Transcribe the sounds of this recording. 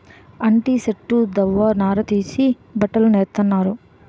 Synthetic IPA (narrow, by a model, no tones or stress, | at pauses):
ɐɳʈiːseʈːud̪ɐʋːaːnaːɾɐt̪iːsi | bɐʈɐluneːɾt̪ɐnːaːɾu